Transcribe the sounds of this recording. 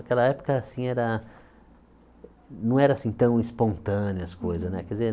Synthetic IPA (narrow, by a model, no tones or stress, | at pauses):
ɐkɛlɐɛpo̥kɐasĩɛɾɐ | nɐ̃w̃ɛɾɐːsĩt̪ɐ̃w̃ispõnt̪ɐ̃nʊɐskojzɐznɛkɛdize